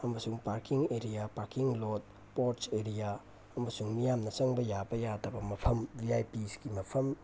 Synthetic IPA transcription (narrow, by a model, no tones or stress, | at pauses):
ɐmɐsuŋpaɾkiŋeɾijapaɾkiŋlot̚ | poɾseɾija | ɐmɐsuŋmijamnɐsɐŋbɐjabɐjadɐbɐmɐpʰɐmbʱiajpisɡimɐpʰɐm